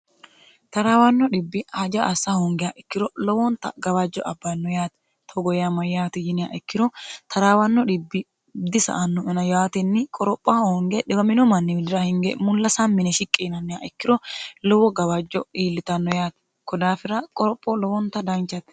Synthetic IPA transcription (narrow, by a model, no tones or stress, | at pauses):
t̪ɐɾaːwɐnːɔɗɪbːɪaːd͡ʒɐʔɐsːahɔŋɡɛjaːʔɛkːɪɾɔlɔwɔnt̪ɐ̰ɡɐbad͡ʒːɔʔɐbːɐnːɔjaːt̪ɛ | t̪ʰɔɡɔjjamɐjjaːt̪ɪjɪnɪja̰ːʔɪkːɪɾɔt̪ʰɐɾaːwɐnːɔᶑɪbːɪ | d̪ɪsɐ̰ʔɐnːɔɛnɐjaːt̪ɛnːɪkʼɔɾɔpʼːaːhɔŋɡɛɗɪɡɐmɪnɔmɐnːɪmɪd̪ɪɾɐhɪŋɡɛ̰mʊlːɐsanmɪnɛʃɪkʼːiːnɐnːɪjaːʔɛkːɪɾɔlɔwɔɡɐwɐd͡ʒːɔiːlːɪt̪ɐnːɔjaːt̪ | kɔd̪aːfɪɾɐkʼɔɾɔpʼːɔlɔwɔnt̪ɐd̪ɐnt͡ʃːɐt̪